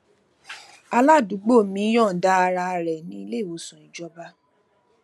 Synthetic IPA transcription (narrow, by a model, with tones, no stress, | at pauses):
a˧la˦˨du˨˦ɡ͡bo˦˨mĩ˨˦j̃ɔ̃˦˨da˦˧ɾa˧ɾɛ˨nĩ˧i˧le˦˨wo˨˦sɔ̃˨ĩ˨d͡ʒɔ˦ba˧˦